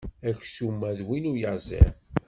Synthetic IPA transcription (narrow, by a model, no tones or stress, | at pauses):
æçʃumːæðwinujəʁzḛ